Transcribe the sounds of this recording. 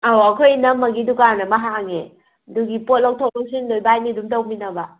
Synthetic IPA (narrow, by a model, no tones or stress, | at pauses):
awakʰojnɐmːɐɡidukanɐmaɦaŋe | duɡipot̚lɔk̚tʰow̚lɔk̚sinlojbajmidumtawbinɐbɐ